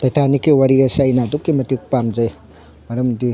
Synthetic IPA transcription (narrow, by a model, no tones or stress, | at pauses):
tɐjtʰanikːiwaɾiɐsɐjnadukːimɐtik̚pamd͡ʒɐj | mɐɾɐmdi